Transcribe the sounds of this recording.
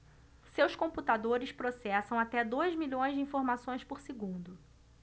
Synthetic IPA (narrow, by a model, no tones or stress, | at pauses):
sewskõmput̪ad̪oɾɪspɾosɛsɐ̃w̃at̪ɛd̪ojzmiʎõj̃zd͡ʒɪĩfoɾmasõj̃spoɾsɪɡũnd̪ʊ